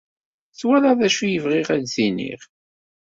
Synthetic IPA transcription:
θwælaðæʃujəvʁɪʁædzinḭʁ

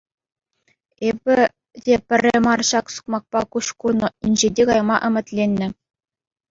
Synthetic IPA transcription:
ebʲɘ̆ | dʲepʲɘ̆rʲːɘmɑrɕɑksu̥kmɑk̚pɑkuɕkunɤ̆inʲʑedʲekɑjmɑ̰ʔɘ̆mʲɘ̆t̪ʲlʲenʲːɘ̆

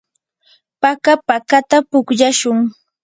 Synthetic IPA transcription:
pakapakat̪apʊkʎaʃʊŋ

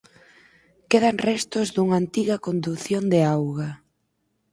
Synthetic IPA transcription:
keð̞aŋrɛst̪ʊzðuŋaːnt̪iɣɐkond̪uθjond̪eawɣa

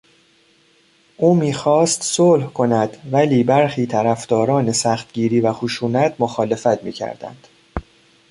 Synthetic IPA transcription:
ʔuːmiːxɒːst̪solhkʰo̞næd̪væliːbæɾxiːt̪ʰæɾæfd̪ɒːɾɒːne̞sæxt̪ɟiːɾiːvæxuʃuːnæt̪ʰmoxɒːle̞fæt̪ʰmḭːcʰæ̰ɾd̪̥æ̰nd̪̥

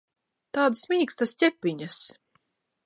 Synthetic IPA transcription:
t̪aːd̪smʲiːkst̪astʲɛpʲːiɲas

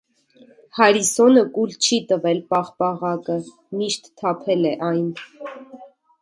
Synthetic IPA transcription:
hɑɾisɔnəkult͡ʃʰit̪əvɛlpɑχpɑʁɑkə | miʃt̪ʰːɑpʰɛlɛʔɑjn

